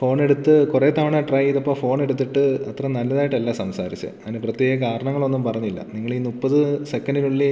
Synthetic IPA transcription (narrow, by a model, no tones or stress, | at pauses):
fo̞ːɳe̞ɽut̪ːɨkureːt̪ɐʋɐɳaːʈrɐjiðɐpːoːfo̞ːne̞ɽut̪̬ːiʈːɨɐt̪rɐmnɐlːɐðaːjiʈːɐlːasɐmsaːɾit͡ɕːɨ̰ɐ̰ðineprɐt̪jeːɣɐkaːɾɐɳɐŋːɐɭo̞nːumpɐrɐɲːilːɐ̰niŋːɐɭiːnupːɐðɨsekːɐnɖiluɭːi